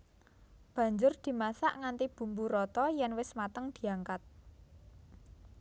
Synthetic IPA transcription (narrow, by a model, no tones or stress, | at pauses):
b̥ä̤ɲd͡ʒʊrd̪̥i̤masaʔŋant̪ib̥ṳmbuɾɔt̪ɔjɛnwɪsmat̪əŋd̪̥i̤aŋkat̪̚